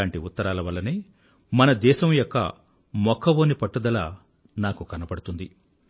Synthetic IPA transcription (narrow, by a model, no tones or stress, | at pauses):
aːɳʈiut̪ːɐɾaːlɐʋɐlːɐneː | mɐnɐd̪ɛːʃɐmjɔkːɐ̰ | mɔkʰːɐʋoːnipɐʈːud̪ɐlaː | naːkukɐnɐpɐɽut̪und̪i